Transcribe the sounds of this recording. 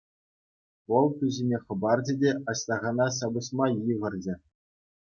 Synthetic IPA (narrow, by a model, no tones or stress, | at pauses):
ʋɤ̆lˠt̪ʲyʑʲinʲeχɤ̆bɑrd͡ʑɘ̆dʲeɑɕt̪ɑʁɑnɑɕ̬ɑbɤ̆ɕmɑjɯʁɤ̆rd͡ʑɘ̆